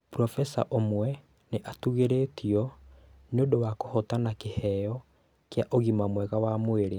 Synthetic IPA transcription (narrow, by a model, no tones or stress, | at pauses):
pɾɔfɛsa̰ʔomwɛ | neʔatuɣeɾetiɔneodowakohɔtanakehɛjɔ | kjaʔoɣimamwɛɣawamoeɾe